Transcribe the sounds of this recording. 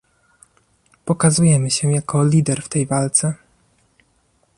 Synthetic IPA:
pɔkazujɛmɘɕɛjakɔlʲid̪ɛɾft̪ɛjvalt̪sɛ

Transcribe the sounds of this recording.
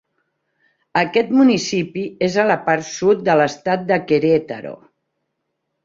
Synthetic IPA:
əkɛt̪munisipiezələpaɾsut̪̚d̪ələst̪at̪̚d̪əkeɾet̪ə̰ɾo̰

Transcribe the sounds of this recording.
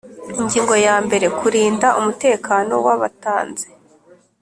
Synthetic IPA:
iɲɟiːŋɡo̞jaːmbe̞ɾe̞kuɾiːndaʔumute̞ːkaːno̞̰waβataːnze̞

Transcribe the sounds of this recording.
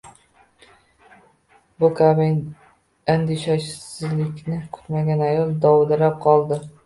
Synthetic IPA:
bʊkʲʰabɪ | and̪ɪʃaʃsɪzlɪkʲnɪkʰʊ̥t̪maɡʲanajɒlˠd̪ɒwd̪aɾap̚qʰɒlˠd̪ɪ

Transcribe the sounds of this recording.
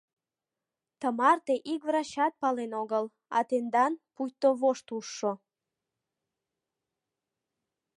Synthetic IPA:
t̪əmɑrt̪eʔikvrɑɕɑt̪̚pɑlenoɣəl | ɑ̰t̪end̪ɑnpujt̪oβoʃt̪uʃːo

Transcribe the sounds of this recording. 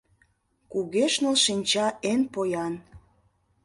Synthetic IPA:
kuɣeʃnolʃinʲt͡ɕɑʔenpojɑn

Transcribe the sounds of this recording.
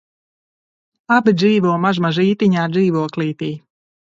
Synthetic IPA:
abid̪ziːvuɔmaʒmaʒiːt̪iɲaːd̪ziːvuɔkliːt̪iː

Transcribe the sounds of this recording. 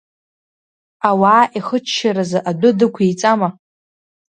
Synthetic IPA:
awaːʔiχət͡ʃʰːʃaɾazaʔadʷʊdɨkʷʰejt͡sʼama

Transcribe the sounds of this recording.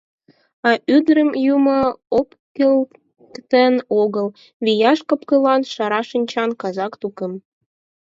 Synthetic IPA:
ɑʔyd̪ɾəmjuməop | kel | kt̪ənoɣəl | βijɑʃkɤ̆pkəlɑnʃɑɾɑʃənʲt͡ɕɑnkɑzɑkt̪ukə̆m

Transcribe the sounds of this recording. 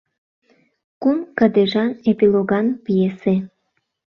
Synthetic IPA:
kunkəd̪eʒɑepiloɣɑnpijese

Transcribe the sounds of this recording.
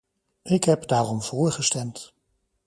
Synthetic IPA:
ʔɪkɦɛpdaːrɔmv̥ʊːɹχəstɛmt

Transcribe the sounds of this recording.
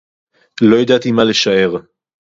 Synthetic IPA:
lo̞jad̪at̪imaleʃae̞ʁ

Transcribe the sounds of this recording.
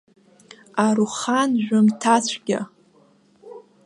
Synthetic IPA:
aɾuχanʒᶣʷʊmtʰat͡ɕʷʰɡ̥ʲa̰

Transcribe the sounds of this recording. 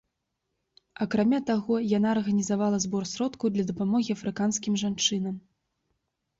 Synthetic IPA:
ɐkɾamʲat̪aɣɔjanaːrɣɐnʲizavalˠɐzbɔrsʲɾɔt̪kud̪lʲɐd̪ɐpamɔɣʲiɐfɾɨkanskʲimʐant͡ʂɨnɐm

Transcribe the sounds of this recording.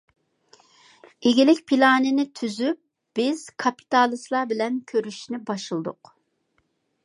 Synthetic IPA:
eɡʲilɪkʲpʰilˠɑːnɪnɪt̪ʰyzyp̚ | b̥ɪz̥kʰɑpʰi̥t̪ɑːlˠɨslˠɑbɪlɛnkʲʰøɾyʃnɪbɑʃɨlˠd̪ʊ̰q

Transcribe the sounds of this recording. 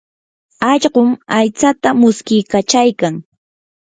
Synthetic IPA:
ɑʎɢʊmajt͡sat̪amʊskɪjkat͡ʃajkaŋ

